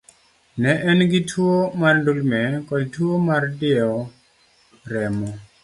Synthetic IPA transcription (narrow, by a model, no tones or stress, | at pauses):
nɛʔɛnɡɪtʰwomarndulmɛkɔdtwomardɪɔ | ɾɛmɔ